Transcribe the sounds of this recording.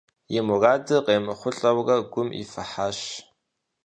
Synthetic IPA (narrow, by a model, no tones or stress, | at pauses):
jɪmʊraːdɨqeːmɨχʷʊɬʼɐwrɐɡʷʊmḭfɐħaːɕ